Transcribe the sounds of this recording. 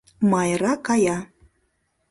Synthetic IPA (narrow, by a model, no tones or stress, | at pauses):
mɑjɾɑkɑjɑ